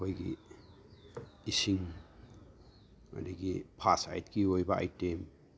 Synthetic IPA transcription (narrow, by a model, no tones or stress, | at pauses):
hojɡḭ | isiŋ | o̰naɡipʰasa̰jtkiojbaa̰jtem